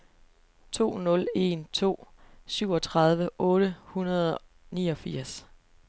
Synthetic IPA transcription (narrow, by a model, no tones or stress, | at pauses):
t͡sʰo̝̰ːnɔ̽le̝nt͡sʰo̝̰ːsyʊ̰ɒ̽t͡sʰʁɑ̈ð̞ˠʋəʔɔ̽ːɾ̥əhunɐð̞ˠɒ | niːɒ̽fiɐ̰s